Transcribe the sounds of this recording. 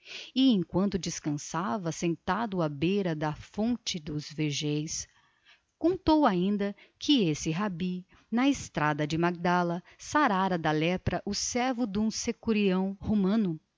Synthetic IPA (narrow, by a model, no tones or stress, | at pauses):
ɪẽj̃kwɐ̃nt̪ʊd͡ʒɪskɐ̃savɐsẽnt̪ad̪ʊabejɾɐd̪ɐfõnt͡ʃɪd̪ʊzveʒejs | kõnt̪owaĩnd̪ɐkʰɪesɪɦabi | nɐɪst̪ɾad̪ɐd͡ʒɪmaɡ̚d̪alɐ | saɾaɾɐd̪ɐlɛpɾɐʔʊsɛɾvʊd̪ũsekuɾiɐ̃w̃homɐ̃nʊ